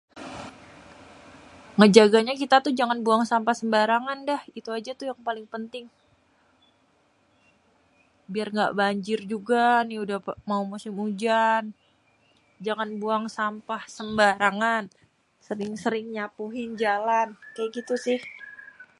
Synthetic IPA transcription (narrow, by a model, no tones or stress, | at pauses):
ŋəd͡ʒaɡaɲakit̪at̪ʊhd͡ʒaŋanbuaŋsampahsəmbaɾaŋandahit̪uad͡ʒat̪ʊjaŋpalɪŋpənt̪ɪŋ | biarŋɡa̰ʔbaɲd͡ʒɪrd͡ʒuɡaniudahmaumusɪmud͡ʒan | d͡ʒaŋanbuaŋsampahsəmbaɾaŋan | səɾɪŋsəɾɪŋɲapuɦɪnd͡ʒalankajaʔɡit̪usɪh